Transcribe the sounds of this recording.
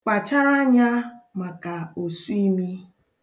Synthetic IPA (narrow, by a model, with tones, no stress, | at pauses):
k͡pa˨t͡ʃa˦ɾa˦ɲa˦ma˨ka˨o˨su˦i˦mi˦